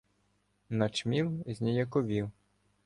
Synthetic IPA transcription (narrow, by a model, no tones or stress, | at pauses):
nɐt͡ʃmʲiwzʲnʲijɐkɔʋʲiw